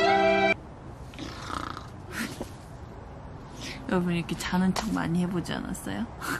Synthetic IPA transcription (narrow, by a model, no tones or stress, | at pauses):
joɾʌbuniɾʌkʰe̞t͡ɕanɯnt͡ɕʰʌŋma̰ɲihe̞bod͡ʑia̰na̰s͈ʌ̰jo